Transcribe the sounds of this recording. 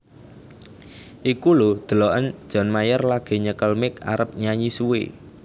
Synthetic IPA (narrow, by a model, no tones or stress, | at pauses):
ʔikulod̪̥ə̤lɔʔən̥ʒ̥ɔ̤nmajərlaɡ̥e̤ɲəkəlmɪka̰ɾəp̚ɲaɲisuwḛ